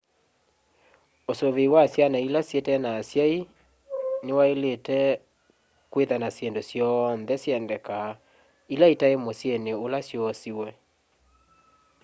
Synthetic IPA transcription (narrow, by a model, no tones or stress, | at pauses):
osoβeiwasjanailasjetɛnaːsjai | newaeletɛ | kweðanasendosjɔnðɛsjɛndɛka | ilaitaemosjeneolasjɔsiwɛ